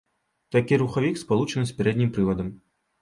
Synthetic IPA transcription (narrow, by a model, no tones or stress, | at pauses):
t̪akʲiɾuxavʲikspalˠut͡ʂɐnɨsʲpʲɛɾɛd̪̚ʲnʲimpɾɨvɐd̪ɐm